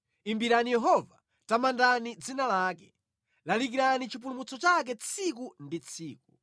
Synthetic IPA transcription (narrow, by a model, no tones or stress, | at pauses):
imbiɾanijɛɦɔva | tamandanid͡zinalaːkɛ | lalikiɾanit͡ʃʰip̬ulumut͡sʰɔt͡ʃak̬ɛt͡sʰikundit͡sʰiːk̚u